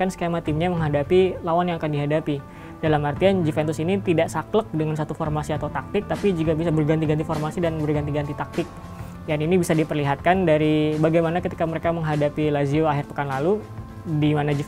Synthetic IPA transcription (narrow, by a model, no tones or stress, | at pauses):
kansə̥kemat̪ɪmɲaməŋɦadapilawanjaŋakandiɦadapi | dalamart̪iand͡ʒifɛnt̪ʊsinit̪idaʔsaklək̚dəŋansat̪uformasiat̪awt̪ak̚t̪ɪk̚t̪apid͡ʒuɡabisabərɡant̪iɡant̪ifɔrmasidanbərɡant̪iɡant̪it̪ak̚t̪ɪk̚ | janinibisadipərliɦat̪̚kandaɾibaɡajmanakət̪ikaməɾekaməŋɦadapilazioaɦɪrpə̥kanlalu | dimanad͡ʒi